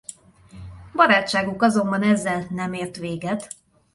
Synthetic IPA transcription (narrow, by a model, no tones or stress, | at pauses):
bɒɾaːt͡ʃːaːɡukɒzo̞mbɒnɛzːɛlnɛmeːrt̪ʋeːɡɛt̪